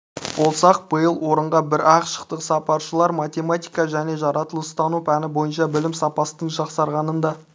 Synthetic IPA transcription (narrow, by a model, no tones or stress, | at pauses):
wo̞lˠsɑq̚b̥əjəlˠwo̞ɾəɴʁɑbɪɾɑqʃə̥qt̪əqsɑpɑɾʃəlˠɑɾmat̪ʲe̞mat̪ijkɑʒæne̞ʒɑɾʔɑt̪əlˠəst̪ɑnupʰænɪbo̞jənʃɑbɪlɪmsɑpɑsət̪əɴʒɑqsɑɾʁɑnənd̪ɑ